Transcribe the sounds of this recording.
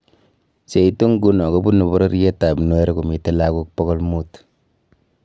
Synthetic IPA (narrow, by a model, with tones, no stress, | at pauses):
se˨itu˦ŋɡu˦nɔ˨kɔ˦bu˦nɔ˨bɔ˦ɾɔ˦ɾjɛ˦ta˨bnwɛ˦ɾe˦ku˨mi˨te˦la˦ku˦k̚pɔ˦kɔ˦lmu˦t